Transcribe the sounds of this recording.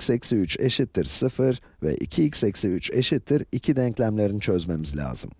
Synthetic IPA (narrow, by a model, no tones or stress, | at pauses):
sɛcsiyt͡ʃe̞̰ʃit̪ʰːiɾsɯfɯɾ | vɛ̰ʔḭcʰiːcsɛcsiyt͡ʃe̞ʃit̪ʰːiɾicʰid̪ɛɲclʲæmlʲe̞ɾint͡ʃʰø̞zme̞mizlʲa̰ːz̥ɯm